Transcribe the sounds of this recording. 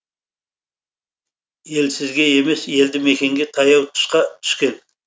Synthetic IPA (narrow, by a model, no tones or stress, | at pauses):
je̞lsɪzɡʲe̞e̞me̞sje̞ld̪ɪme̞kʲe̞ŋɡʲe̞t̪ʰɑjɑwt̪ʰʊ̥ʃqɑt̪ʰʏ̥ʃkʲe̞n